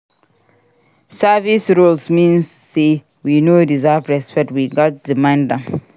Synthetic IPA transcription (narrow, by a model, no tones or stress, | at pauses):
savisɹulsmĩnː | e | winodizapɹɛspɛk̚twiɡɔt̚dimãndãn